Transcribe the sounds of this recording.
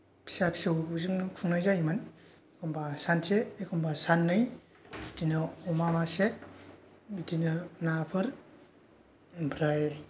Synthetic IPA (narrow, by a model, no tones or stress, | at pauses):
pʰi̥sapʰi̥sɯwzɯŋnɯkʰuŋnajzajman | ekʰɔmbasanseekʰɔmbasanːɯj | bidinɯɔmamase | bidinɯnapʰɯɾ | bɾaj